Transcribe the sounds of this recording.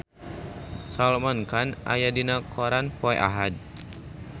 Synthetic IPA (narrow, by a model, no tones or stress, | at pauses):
salmankanʔa̰jadinakʰɔɾanpɔɛ̰ʔa̰ɦad̚